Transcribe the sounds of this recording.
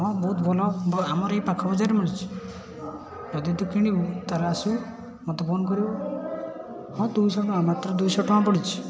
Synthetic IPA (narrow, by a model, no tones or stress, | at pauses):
ɦɔ̃bɔɦut̪bʱɔlɔbamɔɾejpakʰɔbɔd͡ʒaɾɔmiɽit͡ʃʰi̥ | d͡ʒɔd̪it̪ɔkiɽ̃ibut̪aɾasũ | mɔt̪ebonkɔɾibɔ | hɔ̃t̪ujsɔnɔamat̪ɾɔd̪ujsɔʈʰɔãpɔɽit͡ʃʰi̥